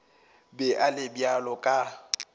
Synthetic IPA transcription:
bɛʔalɪbjalɔkʼa

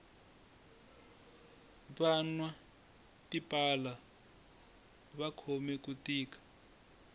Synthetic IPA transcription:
βanwa | tipʼala | βakʰɔmɛkutiːkḁ

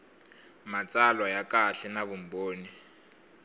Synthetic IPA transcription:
mat͡sʼalwajakaɬɛnaβum̩boːni

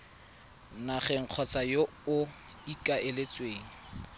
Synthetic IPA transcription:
naχɛŋ̩q͡χʰɔt͡sʼajo | ʊ | ikʼaɪlet͡sweːŋ̩

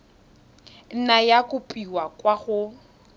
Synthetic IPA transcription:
n̩najakʼʊpʼiwakʼwaχʊ

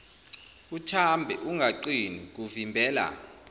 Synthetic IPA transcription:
utʰambʱɛ̰ʔuŋɡʱaǃinik̬uvimbʱɛːla̰

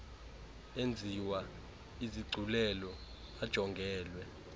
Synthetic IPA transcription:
end͡zʱiwa | iziɡ͡ǀʱulɛlɔ | ad̥ʒ̥ʱɔŋɡʱɛːlwɛ

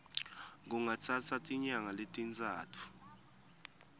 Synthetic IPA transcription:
ŋuŋat͡sʰat͡sʰatʼiɲaŋaletʼint͡sʼaːtʰu̥

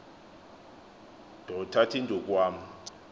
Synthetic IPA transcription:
d̥ʱɔtʰatʰindʱɔk̬ʼwaːm̩

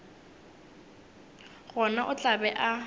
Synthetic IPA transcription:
ɣɔnaʔʊt͡ɬʼabɛʔa

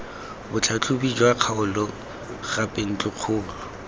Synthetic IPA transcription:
bʊt͡ɬʰat͡ɬʰʊbid͡ʒwaq͡χʰaʊlʊ | ɣapʼen̩t͡ɬʼʊq͡χʰʊːlʊ

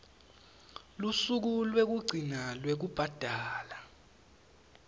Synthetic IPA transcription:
lusuk̬ulwek̬uɡ͡ǀʱinalwek̬ub̥ʱad̥ʱaːla

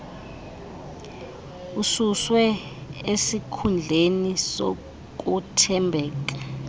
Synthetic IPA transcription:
ususwɛ | esikʰund͡ɮʱeniso̰ | k̬ʼutʰɛmbʱɛːk̬ḁ

